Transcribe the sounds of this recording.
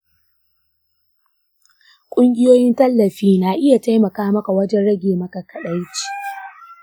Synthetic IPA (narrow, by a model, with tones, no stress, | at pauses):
kʷʼʊ˦ŋɡʲɪ˦joː˦jɪ˦ntɐ˦lːɐ˨ɸiː˦naː˨ʔɪ˦ja˨ta˦jmɐ˨kaː˦mɐ˦ka˨wɐ˦d͡ʒɛ˦nɽɐ˦ɡʲeː˨mɐ˦ka˨kʰɐ˨ɗa˦jt͡ʃi̥ː˨